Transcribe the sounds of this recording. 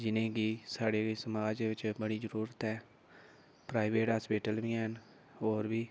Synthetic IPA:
d͡ʒɪnẽːɡiːsaːɽeːsəmaːd͡ʒeʋɪt͡ʃbəɽiːzəɾuːɾət̪ɛː | pɾaːɪʋeːʈaːspeːʈəlʋiːɦən | oːɾbiː

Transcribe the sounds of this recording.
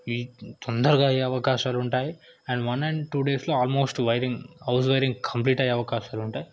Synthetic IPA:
ʋiːt̪ɔnd̪ɐɾɐɡaːeɐʋɐkaːʃaːluɳʈaːji | ɛɳɖʋɐnɛɳɖʈuːɖe̞ːsloːaːlmo̞ːsʈʋɐjɾiŋɡɦɐws̬ʋɐjɾiŋɡkʰɐmpliːʈɐjeɐʋɐkaːʃaːluɳʈaːji

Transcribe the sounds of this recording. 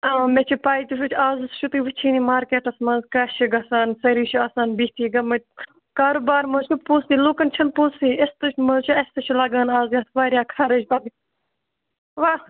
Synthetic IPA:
ɐmet͡ʃʰipaːit̪uʃʰut͡ʃʰaːzɨsʃʰut̪ɨʋɨt͡ʃʰiːniːmaːɾkeːʈɐsmɐnzkaːʃiɡɐsaːnsɐɾiːʃʰuasaːnbit̪ʰiːɡɐmɐ | kaːɾoːbaːɾmɐːt͡ʃupõːsiːluːkɐnt͡ʃʰɐnpõːsiːest̪ɨt͡ʃʰmɐt͡ʃʰuɐst̪ɐt͡ʃʰilɐɡaːnaːzjat̪ʰʋaːɾʲjaːkʰaːɾɐd͡ʒpɐɡ̪i | ʋaː

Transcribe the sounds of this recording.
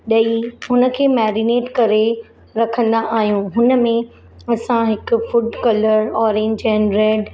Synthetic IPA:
ɗɐiɦʊnə̆kʰeːmɛːɾɪneːʈkɐɾe | ɾɐkʰə̃nd̪aʔaːɦijũɦʊnə̆mẽ | ɐsãɦɪkʊfʊɖkɐləɾɔːɾẽːɲɛ̃nɾeːɖ

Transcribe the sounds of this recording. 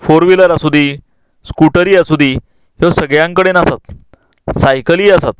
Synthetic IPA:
foɾʋiləɾasud̪ʱiː | skuʈəɾiːasud̪ʱi | hosəɡɭjãŋkəɽenasat̪ | sajkəliːasat̪̚

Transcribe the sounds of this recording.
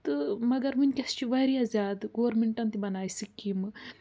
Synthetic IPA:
t̪ɨmɐɡɐɾmɨnʲkʲɐst͡ʃiʋɐɾiɐzʲaːd̪ɡoːʋɾmeɳʈɐnt̪ibɐnaːjsikːimɨ

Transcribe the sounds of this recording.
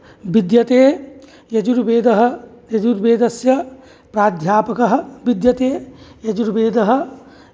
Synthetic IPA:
bid̪jɐt̪eː | jɐd͡ʒuɾbeːd̪ɐɦɐ̆ | jɐd͡ʒuɾbeːd̪ɐsjɐ | pɾaːd̪ʱjaːpɐkɐɦɐ̆bid̪jɐt̪eːjɐd͡ʒuɾbeːd̪ɐɦɐ̆

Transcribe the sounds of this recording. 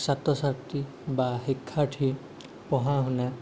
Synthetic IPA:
sat̪ɔsakt̪i | baɦikʰːaʈʰi | pɔɦãɦuna

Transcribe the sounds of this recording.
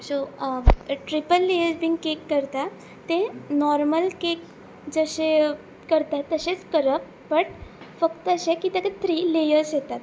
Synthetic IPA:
so | ʈɾipəlːejəɾsbiːŋɡkekːəɾt̪a | t̪enɔɾməlkek | d͡zəɕe | kəɾt̪at̪ːəɕet͡skəɾəp | pəʈ | fəkt̪əəɕẽkiːt̪ekət̪ʰɾiːlejəɾsjet̪at̪

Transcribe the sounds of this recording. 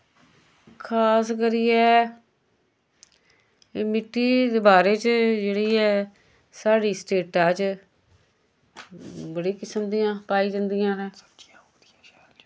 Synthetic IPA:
kʰaːskəɾiːɛː | mɪʈːiːd̪eːbaːɾeːt͡ʃd͡ʒeːɽiːɛː | saːɽiːsʈeːʈaːt͡ʃ | bəɽiːkɪsəmd̪ijãːpaːiːd͡ʒə̃nd̪ijãːɾɛ̃ː

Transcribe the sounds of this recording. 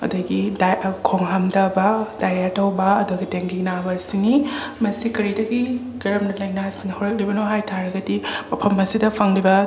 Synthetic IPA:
ɐ̰duɡidakʰoŋɦamdɐbɐdajɾatɐwbɐːduɡiteŋɡinabɐsini | mɐsikɐɾidɐɡi | ɡɐɾɐmnɐlɐjnasiŋɐhɐwɾɐk̚libɐnoɦajtʰaɾɐɡɐdimɐpʰɐmɐsidɐpʰɐŋɾibɐ

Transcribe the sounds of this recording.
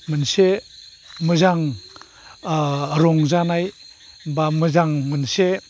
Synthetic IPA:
mɯnse | mɯzaŋ | ɾɔŋzanaj | bamɯzaŋmɯnse

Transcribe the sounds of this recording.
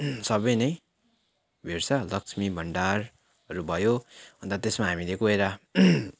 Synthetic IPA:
sʌbʌjnʌj | bʱeɾt͡sʰʌlʌksmibʱʌɳɖar | ʌɾubʱʌjoɦʌnt̪ʌt̪esmaɦamilekoeɾa

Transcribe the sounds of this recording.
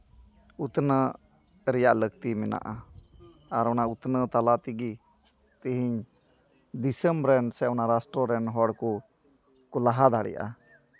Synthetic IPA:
ut̪nə | ɾɛjaʔləɡt̪imɛna̰ʔa | aɾɔnaut̪nət̪alat̪iɡi | t̪iɦiɲ | d̪isəmɾɛnsɛɔnaɾasʈɾɔɾɛnɦɔɽku | kulaɦad̪ʱaɽɛ̰ja̰ʔa̰

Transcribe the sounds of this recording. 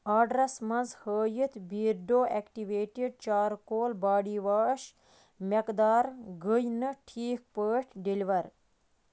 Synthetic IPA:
aːɖɾɐsmɐnzhəːjit̪ʰbiːɾɖoːʔekʈiʋeːʈiɖ̚t͡ʃaːɾkoːlbaːɽiːʋaːʃ | mʲekd̪aːɾɡəjnɨʈʰiːk̚pəːʈʰɖilʋɐɾ

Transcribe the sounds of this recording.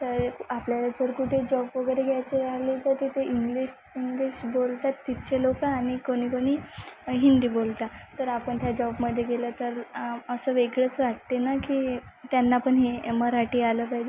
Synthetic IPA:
t̪əɾapljaɾət͡səɾkuʈʰed͡ʑɔbʋəɡəjɾeɡʱjajt͡ɕeɾaɦlit̪ət̪et̪eʔiŋɡliɕ | iŋɡliɕbolt̪at̪ːit̪t͡ɕelokaːɽ̃ikoɽ̃iːkoɽ̃iːɦind̪iːbolt̪at̪əɾapəɳt̪jad͡ʑɔbməd̪ʱːjeɡelət̪əɾəsəʋeɡɭət͡sʋaʈ̚t̪enakiːt̪janːaːpəɳɦeməɾaʈiːaləpajd͡ʑe

